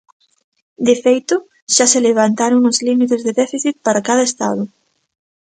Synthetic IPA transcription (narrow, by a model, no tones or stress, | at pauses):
d̪efejt̪ʊ | ʃaseleβ̞ant̪aɾoŋʊzlimit̪ezðeðɛfiθit̪̚paɾakaðɐest̪a̰ðʊ